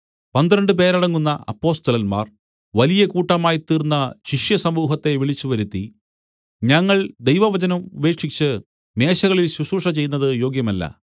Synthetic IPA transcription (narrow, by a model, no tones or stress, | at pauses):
pɐnd̪iɾɐɳɖɨp̬e̞ːɾɐɽɐŋːunːɐʔɐpːo̞ːst̪ɐlɐnma̰ːr | ʋɐlijɐkuːʈːɐmaːjt̪ːiːrnːɐɕiʂjɐsɐmːuːɦɐt̪ːe̞ʋiɭit͡ɕːuʋɐɾut̪ːi | ɲɐŋːɐɭd̪ejʋɐʋɐt͡ɕɐnɐmube̞ːkʂit͡ɕːɨ | me̞ːɕɐɣɐɭilɕwisuʂɐt͡ɕe̞jːunːɐðɨjo̞ːɡjɐmɐlːɐ̰